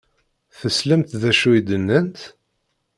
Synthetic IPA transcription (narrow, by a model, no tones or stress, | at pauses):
θəslæmt̪ðæʃuid̪ənːənt̪